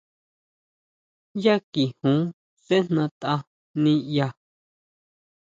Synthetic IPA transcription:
ja˦ki˨hũ˨˦ | se˦n̥nã˧t̪a˧ | nĩ˧ja˧

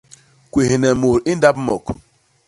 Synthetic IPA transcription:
kʷe˨ɦi˨ne˨mo˨ɾi˦n̩˦da˦b̩˦mɔ˨k

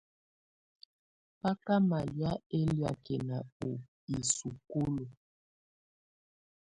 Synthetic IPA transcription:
pa˦ka˦ma˨lja˦e˦lja̰˨kɛ˨na˨o˨ | i˨su˨ko˦lo˨

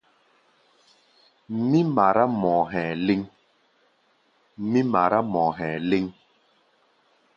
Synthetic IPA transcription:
mi˦ma˨ɾa˦mɔː˨ɦɛ̃˨le˦ŋ˦ | mi˦ma˨ɾa˦mɔ˨ɦɛ̃ː˨le˦ŋ

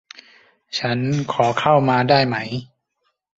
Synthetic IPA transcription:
t͡ɕʰa˦˥nkʰɔː˩˦kʰa˥˩wmaː˧daː˥˩jma˦˥j

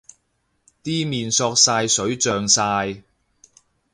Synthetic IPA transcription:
t̪iː˥miː˨nsɔː˧k̚saː˧jsɵ˨˥ɥt͡sœː˨ŋsaː˧j

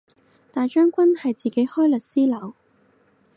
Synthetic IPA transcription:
t̪aː˨t͡ʃœː˥ŋkʷwɐ˥nhɐ˨jt͡siː˨˩ke˨˥jhɔː˥jlɐ˨˩t̚siː˥lɐ˨˥w

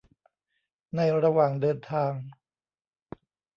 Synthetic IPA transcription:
na˧˩jɾa˧waː˨˩ŋdɤː˧nt̪ʰaː˧ŋ

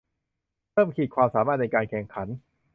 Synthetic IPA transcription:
pɤː˥˩mkʰiː˨˩t̪̚kʰwaː˧msaː˩˦maː˥˩t̪̚na˧jkaː˧nkʰɛ˨˩ŋkʰa˩˦n

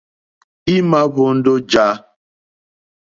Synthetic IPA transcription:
i˦ma˦βo˨˦n̩˦do˦d͡ʒa˦

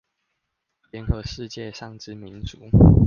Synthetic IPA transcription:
ljɛ˧˦nkɤ˨˦ʂɻ̩˥˧t͡ɕjɛ˥˨ʂɑ˥˩ŋʈ͡ʂɻ̩˥mi˨˧˦nt͡su˨˦

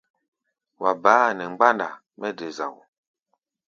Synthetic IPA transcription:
wa˨baː˨˦nɛ˨ŋ͡m̩˦ɡ͡ba˦nda̰˨ | mɛ˦de˨za̰˨w

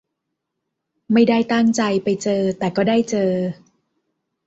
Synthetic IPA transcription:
ma˥˩jdaː˥˩jt̪aː˥˩ŋt͡ɕa˧jpa˧jt͡ɕɤː˧t̪ɛː˨˩kɔː˥˩daː˥˩jt͡ɕɤː˧

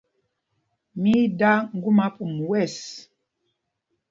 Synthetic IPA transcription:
mi˦da˦ŋ̩˦ɡu˦ma˦pu˨m˨wɛ˦˨s

